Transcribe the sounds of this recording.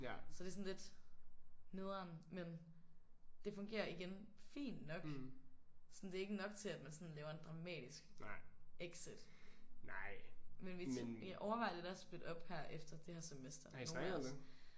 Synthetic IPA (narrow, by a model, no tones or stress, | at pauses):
sɒ̽d̥e̝sɔn̩le̝d̥ | ne̝ð̞ˠɐnmen | d̥e̝fɔ̽ŋɡ̥e̝̰ːɐiɡ̥enfḭːnːɒ̽ɡ̥ | sɒn̩d̥e̝e̝ɡ̥ənɒ̽ɡ̥t͡sʰe̝læd̥mænsɔ̽nlɛːʊɐe̝nd̥ʁɑ̈mɛ̰ːd̥isɡ̥ | eɡ̥sed̥ | nɑɪ̰menʋiʔɒʊɐɑ̈ɪɐd̥eɾæsb̥led̥ɒ̽b̥hæɐ̰ʔefd̥ɐd̥ehæɐsemesd̥ɐoː